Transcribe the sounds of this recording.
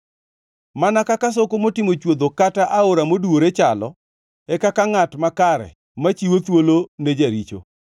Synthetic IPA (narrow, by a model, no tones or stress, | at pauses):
manakakas̬okomotɪmot͡ʃwod̪okataʔaoɾamoduoɾet͡ʃalɔ̰ | ɛkakaŋatmakaɾɛ̰ | mat͡ʃiwot̪woloned͡ʒaɾit͡ʃo̰